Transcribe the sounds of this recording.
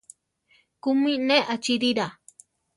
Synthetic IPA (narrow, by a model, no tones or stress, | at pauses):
kumĩnẽʔat͡ʃiɾiɾa